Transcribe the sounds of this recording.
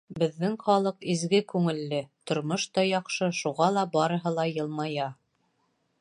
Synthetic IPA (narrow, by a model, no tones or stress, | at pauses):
bɘ̆ðːɘŋχɑlˠɤqizɡɘkʉŋɘ̆lːɘt̪ŏɾmoʃt̪ɑjɑqʃɤʃuʁɑlˠɑbɑɾɤ̆ɦɤlˠɑjɤ̆lˠmɑjɑ